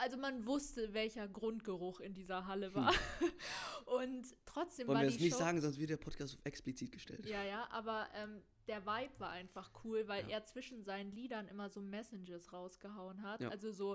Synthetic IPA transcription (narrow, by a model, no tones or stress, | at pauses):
ʔalzomanvʊstəvɛlçɐɡʁʊntɡ̥əʁʊxɪndiːzɐɦaləva̰ːɐ | ʔʊntːʁ̥ɔt͡sd̥eːmvɔlvaɐviːiːsnɪçtzaːɡŋ̩zɔnstv̥ɪtd̥eɐpʰɔt̚kʰaːstafɛksplit͡siːt̚ɡ̥əʃtɛ̰ltjjaːjaːʔa̰ːbɐʔɛːm | d̥eːɐvaɪpv̥aːɐʔaɪnfaχkʰuːlvaɪlʔeːɐt͡sv̥ɪʃn̩zaɪnənliːdɐnʔɪmɐzoːmɛsɪnd͡ʒɐsʁaʊsɡ̥əɦaʊənɦatʔalzozoː